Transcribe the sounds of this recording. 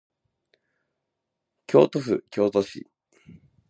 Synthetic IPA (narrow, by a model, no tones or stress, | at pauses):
kʲʰo̞̰ːt̪oɸɯ̟kʲʰo̞ːt̪o̞ɕḭ